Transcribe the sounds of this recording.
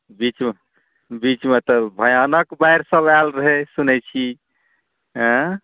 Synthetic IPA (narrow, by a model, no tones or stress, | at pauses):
bit͡ʃm | bit͡ʃmet̪əbʱəjanəkbajɾsəbalɾəɦesunɛt͡ʃʰi | ɦə̃